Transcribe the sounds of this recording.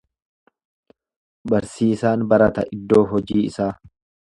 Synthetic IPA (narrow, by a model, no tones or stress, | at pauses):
bɐɾsiːsaːnbɐɾɐt̪ɐ̰ʔɪd̪ːo̞ːɦɔd͡ʒiːɪsaː